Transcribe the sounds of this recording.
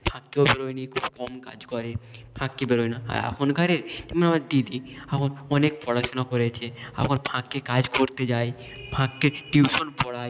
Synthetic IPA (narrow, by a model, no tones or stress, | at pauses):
b̥ʰʱãkːeobeɾojnikʰubkɔmka̰d͡ʑkɔɾepʰãkːebeɾojnaa̰ɾa̰kʰonɡʱaɾeɾt̪ɛmonamaɾd̪id̪iakʰonɔnekpɔɽaʃonakoɾet͡ɕʰea̰kʰonbʱʰãkːekad͡ʑkoɾt̪ed͡ʑaj | bʱãkːeʈiwʃonpɔɽaj